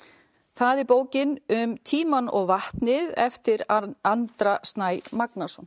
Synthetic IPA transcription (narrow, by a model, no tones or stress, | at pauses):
θaðɛɾpoːwcɪnʏmt̪ʰiːmanɔɣvaht̪nɪðɛft̪ɪɾant̪ɾast̪naːjmaknasɔn